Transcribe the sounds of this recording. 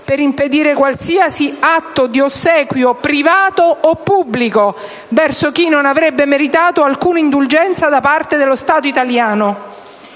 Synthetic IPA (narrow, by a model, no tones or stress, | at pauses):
peɾimped̪iːɾekwalsiːasiat̪ːod̪iosːɛːkwjopɾivaːt̪oːpːubːliko | vɛrsok̟inːonavɾɛbːemeɾit̪aːt̪oalkuːnaind̪uld͡ʒɛnt̪sad̪apart̪ed̪elːost̪aːt̪oit̪aljaːno